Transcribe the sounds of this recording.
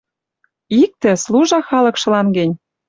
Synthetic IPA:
ik̚t̪ĕsluʒɑxɑlɤ̆kʃɤ̆lɑnɡĕnʲ

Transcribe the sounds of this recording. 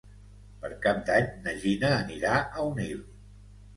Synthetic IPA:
pəɾkap̚d̪aɲnəʒinəːniɾaʔəunil

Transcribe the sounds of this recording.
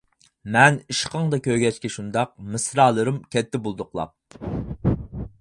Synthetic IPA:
mɛniʃqəŋd̪ɑkʲøɾɡʲɛt͡ʃkʲɛʃund̪ɑq̚mɨsɾɑːlˠɨɾɨmkʲʰɛt̪ʰːɪbolˠd̪ʊqlˠɑ̰

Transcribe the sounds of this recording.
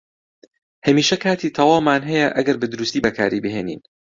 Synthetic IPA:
hɐmiːʃɐkʰaːt̪ʰiːt̪ʰɐwaːmːaːnɦɛjɛʔɐɡɐɾbɨd̪ʊɾust̪iːbɐkʰa̰ːɾibɨɦeːnḭːn

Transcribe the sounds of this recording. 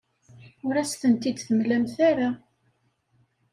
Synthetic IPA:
ʊɾæsθənt̪id̪θəmlæmθaɾa

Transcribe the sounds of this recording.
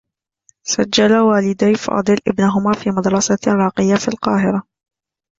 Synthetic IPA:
sad͡ʒːalawaːlɪd̪ajfɑ̰ːd̪ˤɨlʔɪbnaɦʊmaːfiːmɑd̪ɾˤɑsaɾˤɑːqɪjːafḭːlqɑːɦɪɾa

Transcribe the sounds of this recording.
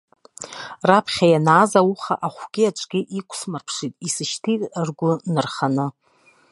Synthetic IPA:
rapʰχʲajanaːzawuχa̰ʔaχʷɡ̥ʲɪaʈ͡ʂʷʼɡʲɪʔikʷʰʼsmarpʰʂitʼisɨʃtʰitʼrɡʷʊnɨrχanɨ

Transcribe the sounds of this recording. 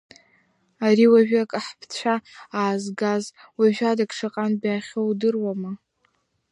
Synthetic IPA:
aɾiwaʒᶣakʼaħpʰt͡ɕʷʰaaːzɡaz | waʒᶣadakʰʼʂaqʼanbaːχʲowdɨrwama

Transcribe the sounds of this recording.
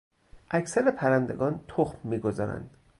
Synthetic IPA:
ʔæcsæɾepʰæɾænd̪e̞ɡɒːnt̪ʰoxmːiːɡo̞zɒ̰ːɾæ̰nd̪̥

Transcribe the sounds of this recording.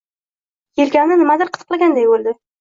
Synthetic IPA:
jelkʲamnɪnɪmad̪ɪɾqʰɨt̪ʰɨ̥qlˠaɡʲand̪ajbolˠd̪ɪ

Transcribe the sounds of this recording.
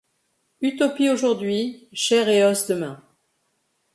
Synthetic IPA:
yt̪ɔpioʒuʁd̪ɥiʃɛʁeɔsd̪əmɛ̃

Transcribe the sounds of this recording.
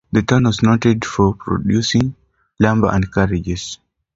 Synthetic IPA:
d̪ətanwɔsnotɛdfɔpɾɔ̰djusĩŋ | lãmbəʔãndkaɹid͡ʒɛs

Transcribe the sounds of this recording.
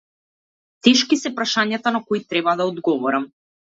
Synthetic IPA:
t̪ɛʃkisɛpɾaʃaɲat̪anakɔit̪ɾɛbad̪aɔd̪ɡɔvɔɾam

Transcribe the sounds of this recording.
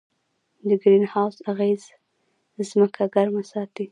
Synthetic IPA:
d̪əɡɾinhawzaɣez | zməkʰaɡaɾmasɑt̪i

